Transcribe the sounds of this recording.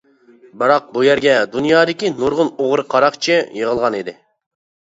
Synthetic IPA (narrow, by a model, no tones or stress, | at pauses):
bɨɾɑq̚bujɛɾɡʲɛd̪unjɑːd̪ɪkʲinuɾʁʊnoʁɾɨqʰɑɾɑqt͡ʃʰɪjəʁəlˠʁɑnid̪ɪ